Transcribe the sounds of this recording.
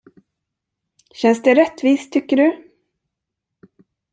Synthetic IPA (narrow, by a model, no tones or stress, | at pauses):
ɕɛnsd̪ɛɾɛt̪ːviːst̪ʰːʏkːəɖɵ